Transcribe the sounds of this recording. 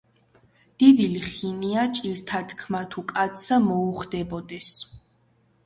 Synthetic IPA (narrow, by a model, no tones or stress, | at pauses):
d̪̥id̪iliχiniat͡ʃʼiɾt̪ʰad̪kʰmat̪ʰukʼat̪samɔuχd̪ɛbɔd̪ɛs